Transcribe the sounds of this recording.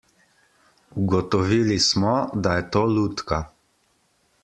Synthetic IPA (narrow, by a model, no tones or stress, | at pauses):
uɡɔt̪ɔʋiːlismɔd̪ajɛt̪oːlut̪ka